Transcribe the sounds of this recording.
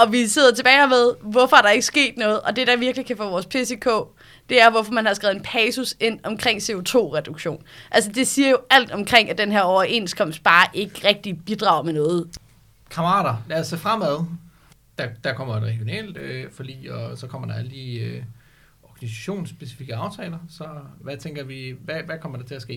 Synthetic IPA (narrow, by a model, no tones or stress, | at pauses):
ɒ̽ʋise̝ð̰ˠɐt͡sʰe̝b̥ɛːɪmeð̞ˠʋɒfɒ̽æɐɾ̥ɑ̈e̝ɡ̥əsɡ̥e̝̰ːd̥nɔ̽ːð̩ˠʔɒ̽d̥e̝ɾ̥ɑ̈ʋiɐɡ̥likʰæfɔ̰ːʋɒːspʰe̝se̝kʰo̰ː | d̥e̝æɐʋɒfɒ̽mænhɑ̈sɡ̥ʁɛːʊð̩ˠnpʰɛːsuse̝n̰ɒ̽mkʰʁeŋ̰se̝o̝t͡sʰo̝̰ːʁɛd̥uɡ̥ɕo̝̰ːnʔæls̬əd̥e̝siːɐjo̝æl̰d̥ɒ̽mkʰʁeŋ̰æd̥enɦeɐɒʊɐʔe̝̰nskʰɒ̽m̰sd̥̚b̥ɑ̈ːʔe̝ɡ̥əʁɛɡ̥̚d̥ib̥id̥ʁɑ̈ʊ̰menɔ̽ːð̞̩ˠ | kʰɑ̈mɐʁɑ̰̈ːɾɐlæsəfʁam̰æðˠ | d̥æd̥ɑkʰɒ̽m̰ɐʁɛɡ̥jo̝nɛ̰ːld̥øfɒd̥ḭːɒsɒ̽kʰɒ̽m̰ɐd̥ɑæləd̥iːø | ɒɡ̥ænisæ̥ɕo̝̰ːnsːb̥e̝si̥fiɡ̥əɑ̈ʊt͡sʰɛːlɐsɒ̽ʋæt͡sʰeŋɡ̥ɐʋiʋæʋækʰɒ̽m̰ɐd̥ɑ̈t͡sʰe̝læsɡ̥e̝̰ː